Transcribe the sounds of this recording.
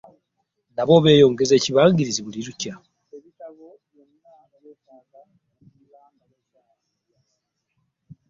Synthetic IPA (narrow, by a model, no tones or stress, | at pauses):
naβo̞βe̞ːjo̞ːŋɡe̞ze̞ːciβaːŋɡiɾiziβuliɾuca | eβitaɡo | jenaːnajekaːɡa | milaːmaje | aː